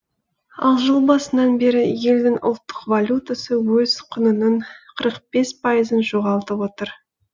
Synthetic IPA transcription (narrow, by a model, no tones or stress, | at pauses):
ɑ̰lˠʒəlˠbɑsənɑnbeɾɪje̞ld̪ɪŋʊlˠt̪ːə̥qvalʲut̪asəwɵz̥qʰʊnənəɴqʰəɾəqb̥e̞spʰɑjəzənʒoʁɑlˠt̪əpwo̞t̪əɾ